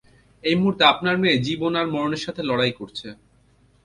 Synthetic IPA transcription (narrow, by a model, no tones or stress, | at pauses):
ejmuɦuɾt̪eapnaɾmeed͡ʑibonaɾmɔɾoneɾʃat̪ʰelɔɽajkoɾt͡ɕʰe